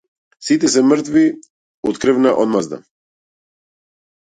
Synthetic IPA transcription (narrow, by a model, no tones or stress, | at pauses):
sit̪ɛs̬ɛmr̩t̪vi | ut̪kɾəvnaʔod̪mazd̪a̰